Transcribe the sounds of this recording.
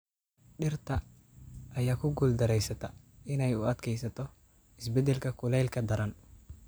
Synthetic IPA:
ɗɪrt̪ɐ | ʔːjaːkʊɡuld̪ɐɾɛjsɐt̪ɐʔɪnɛjʊɐd̪kʰɛjsɐt̪ɔ | ɪsbɛd̪ɛlkɐkʊlɛjlkɐd̪ɐɾɐn

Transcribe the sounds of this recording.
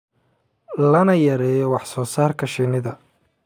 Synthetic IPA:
lɐnɐjɐɾɛːjɔwɑħsɔːsaːrkʰɐʃinɪðɐ

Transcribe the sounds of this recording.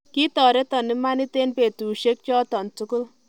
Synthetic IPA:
kit̪ɔɾet̪ʌnːemanit̪enpet̪uʃek̚t͡ʃɔt̪ɔnt͡sukul

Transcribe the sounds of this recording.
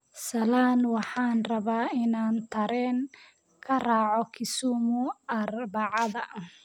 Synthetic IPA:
sɐlaːnwɑħɑːnrɐβaːɪnaːnt̪ʰɐɾɛːŋ | kʰɐrɑːʕɔkʰɪsuːmʊɐrbɑʕɑðɐ

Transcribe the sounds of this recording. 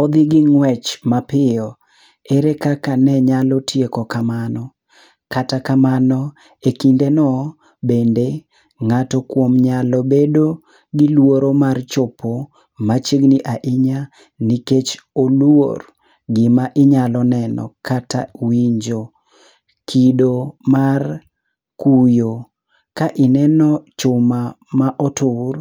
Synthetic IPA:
ɔd̪ɪɡɪŋwɛt͡ʃmapɪɔ | eɾekakanɛɲalɔtʰjekɔkamanɔ | katakamanɔ | ekindenɔ | bende | ŋatɔkwomɲalɔbedo | ɡɪlwoɾomart͡ʃɔpʰo | mat͡ʃiɡniʔaʔɪɲa | niket͡ʃolwo̰r | ɡɪmaʔɪɲalɔnɛnɔ̰kata̰wiɲd͡ʒo | kʰidomar | kujo | kaʔɪnɛnɔt͡ʃʊmamaʔɔtʊr

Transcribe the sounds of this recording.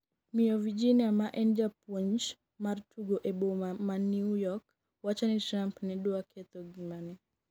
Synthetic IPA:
miɔvid͡ʒiniamaʔɛnd͡ʒapɔɲt͡ʃ | martʰuɡoʔeboamaniujɔk | wat͡ʃanitɾampnɛɗɔakʰɛt̪ɔɡimani

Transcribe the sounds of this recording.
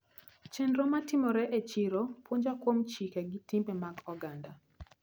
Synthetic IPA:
t͡ʃɛnɾomatɪmɔɾɛʔet͡ʃiɾopwoɲd͡ʒakwomt͡ʃikɛɡɪtimbɛmaɡɔɡanda

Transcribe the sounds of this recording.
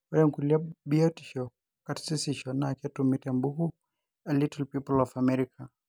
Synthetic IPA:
waɾɛŋkuliabiɔti̥ʃɔ | katsisiʃɔnakɛtumitɛmbuhu | alitilpipɔlɔfamɛɾikʰa

